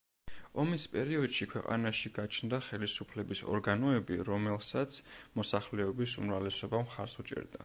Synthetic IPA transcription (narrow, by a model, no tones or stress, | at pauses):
ɔmispʼɛɾiɔd̪̥ʃikʰwɛqʼa̰naʃiɡat͡ʃʰnd̪aχɛlisupʰlɛbisɔ̰ɾɡanɔɛbiɾɔmɛlˠsat̪sʰmɔsaχlɛɔbisṵmɾavlɛsɔbamχaɾsut͡ʃʼɛ̰ɾd̪a̰